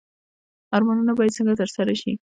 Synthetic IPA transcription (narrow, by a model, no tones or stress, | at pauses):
ɑɾmanənabɑjad̪̚t͡səŋɡat̪əɾsaɾaʃi